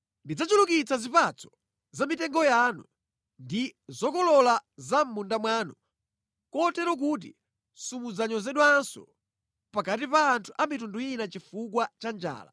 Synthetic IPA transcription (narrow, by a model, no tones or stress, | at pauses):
ndid͡zat͡ʃulukit͡sazipat͡sʰɔ̥ | zamitɛŋɡɔjaːnṵ | ndizɔkɔlɔlazam̩mundamwaːnu | kɔtɛɾɔk̬ut̬ḭ | sumud͡zaɲɔzɛɗwansɔ̰ | pakatipaːntʰuʔamitunduinat͡ʃifuk̬wat͡ʃand͡ʒa̰ːla̰